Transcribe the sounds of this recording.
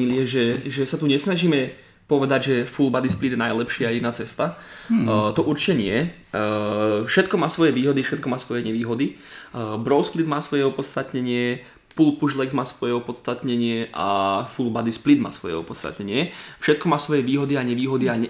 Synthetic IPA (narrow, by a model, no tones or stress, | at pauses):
iliɛʒɛʒɛsat̪uɲɛsnaʒiːmɛ | pɔʋɛd̪aɟʒɛfulbad̪isplid̪jɛnajlɛpʃɪainaːt͡sɛst̪a | t̪ɔʔuɾt͡ʃi̥cɛɲɪɛ | fʃɛt̪kɔmaːsʋɔjɛʋiːɦɔd̪ifʃɛt̪̚kɔmaːsʋɔjɛɲɛʋiːɦɔd̪i | bɾɔʊsplid̪maːsʋɔjɛɔpɔt̪t͡st̪at̪ɲɛɲɪɛ | pulpuʒlɛɡzmaːsʋɔjɛɔpɔt̪st̪at̪ɲɛɲɪɛʔa̰fulbad̪isplid̪ma̰ːsʋɔjɛ̰ɔ̰pɔt̪t͡sst̪a̰t̪ɲɛɲɪɛfʃɛt̪̚kɔmaːsʋɔjɛʋiːɦɔd̪iaɲɛʋiːɦɔd̪iaɲɛ